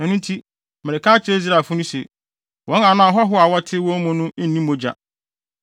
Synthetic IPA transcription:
nã˨nʊ̃˦n̩˦tʰi˦ | me˨ɾe˨kã˦t͡ɕe˦i˦z̬ɾa˨fʊ˦nʊ̃˦sḛ˨ | wɔ̃˨˦ã˨nã˦˨ɦɔ˦ɦʊ˦a˨wa˦tʰɪ˦wɔ̃˦mɔ̃˦nʊ̃˦nĩ˦mõ˦d͡ʑa̰˨

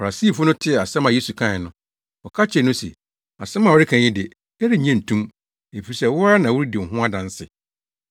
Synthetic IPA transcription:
fa˨ɾa˨siː˦˨fʊ˦nʊ̃˦tʰɪ˦ɛ˨a˨sɛ̃˦mã˨je˦su˨kʰã˦˨ɪ˨nʊ̃˦ | ɔ˨kʰa˦t͡ɕʰɛ˦˨nʊ̃˦sɛ̰˨ | a̰˨sɛ̃˦mã˨wɔ˦ɾɪ˦kʰã˨ɲɪ̃˦dɪ˨ | ɛ˦ɾɪ˦˨ɲɛ̃˦˨n̩˨tʰũ˦m | e˨fi˨ɾi˨sɛ˦wʊ˦a˦nã˨wʊ˦ɾɪ˦dɪ̃˨ɦʊ̃˦a˦dã˨n̩˦sɪ̰˨

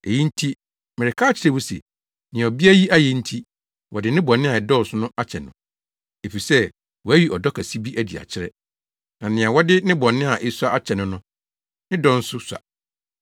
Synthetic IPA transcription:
e˨ji˦n̩˦tʰi˦ | mɪ˨ɪ˨kʰa˦t͡ɕʰɪ˨˦ɾɛ˦wʊ˦sɛ̰˨ | nɪ̃˨ɔ˨bi˦æ˦ji˦ʔa˦jɛ˦n̩˦tʰi˦ | wɔ˨dɪ˨nɪ̃˦bɔ̃˨nːɪ̃˦a˨ɪ˨dɔ˦˨sʊ˦nʊ̃˦ʔa˦t͡ɕʰɛ˨nʊ̰̃˨ | e˨fi˨sɛ˦ | wɔ˨æ˦ɥi˨ʔɔ˨dɔ˦kʰæ˨si˦bi˦ʔæ˨di˨a̰˨t͡ɕʰɪ˦ɾɛ̰˦ | nã˨nɪ̃˨ã˨wɔ˦dɪ˦nɪ̃˦bɔ̃˨nɪ̃˦a˨ʔɪ˦su˦a˦a˦t͡ɕʰɛ˨nʊ̃˦nʊ̃˦ | nɪ̃˦dɔ˦n̩˦sʊ˦sa̰˨

